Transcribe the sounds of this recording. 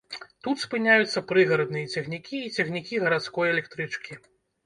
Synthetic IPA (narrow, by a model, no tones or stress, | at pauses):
t̪ut̪spɨnʲajut̪sːɐpɾɨɣɐɾɐd̪̚nɨjɐt͡sʲɐxnʲikʲiːt͡sʲɐxnʲikʲiɣɐɾat̪skɔjɛlʲɛkt̪ɾɨt͡ʂkʲi